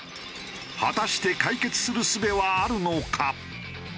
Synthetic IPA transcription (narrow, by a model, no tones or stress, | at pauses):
hat̪aɕi̥t̪e̞kaike̞t͡sɨ̥sɨɾɯ̟sɨbe̞βaːɾɯ̟no̞kʰa